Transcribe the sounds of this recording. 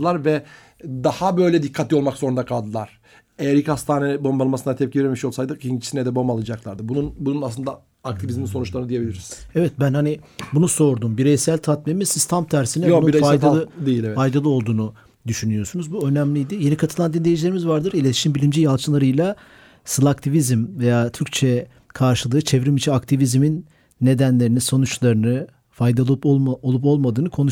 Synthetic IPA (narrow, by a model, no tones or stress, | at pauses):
ɯlˠaɾvɛ | d̪ahabø̞jlʲɛd̪ikʰːat̪lʲːio̞lˠmakz̥oɾund̪akʰalˠd̪ɯlˠaɾ̥ | ejæɾilchast̪ʰaːnɛbo̞mbalˠmasɯnd̪at̪ʰɛp̚cʰivɛɾemiʃo̞lˠsajd̪ɯint͡ʃʰi̥sinɛd̪ɛbo̞mbalˠɯd͡ʒaklˠaɾd̪ɯbununbununaslɯnd̪a | ak̚t̪ʰivizminso̞nut͡ʃlˠaɾɯnɯd̪ije̞bilʲiɾiszɛvɛt̪̚bænhanibunuso̞ɾd̪umbiɾejsælʲt̪ʰat̪memisizt̪ʰamt̪ʰæɾsinɛnfajd̪ad̪ejilʲɛvɛfajd̪alˠɯo̞lˠd̪uːnu | d̪yʃynyjo̞sunuzbuø̞næmlʲijd̪ije̞nikʰat̪ʰɯlˠand̪inlʲe̞jid͡ʒilʲeɾimizvaɾd̪ɯɾilʲe̞t̪ʰi̥ʃimbilʲimd͡ʒijalˠt͡ʃʰɯlˠaɾɯjlˠa | sɯlˠakt̪ʰivizmve̞jaːt̪ʰyɾc̚ʲt͡ʃʰɛ | kʰaɾʃɯlˠɯːt͡ʃʰevɾimit͡ʃʰinakt̪ʰivizminː | e̞d̪ænlʲe̞ɾiniso̞nut͡ʃlˠaɾɯnɯ | fajd̪alˠolˠupo̞lˠmad̪ɯːnɯkʰo̞nuʃ